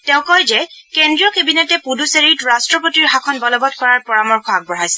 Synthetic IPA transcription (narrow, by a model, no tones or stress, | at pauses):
tɛʊ̃kɔjzɛkendɹiɔkebinetɛpuduseɹitɹastɹɔpotiɹɦakʰɔnbɔlɔbɔtkɔɹaɹpɔɹamɔɹkʰɔak̚bɔɹajsɛ